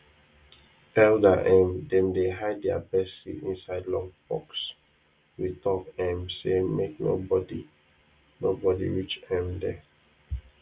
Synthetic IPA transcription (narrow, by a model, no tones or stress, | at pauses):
ɛldaʔɛ̃mdɛ̃mdeɦaɪdɛa̰bɛsitḭ̃nsaɪdlɔ̃ŋbɔ̰ks | witɔkɛ̃msemekno̰bɔdi | nobɔdḭɹit͡ʃɛ̃mdɛ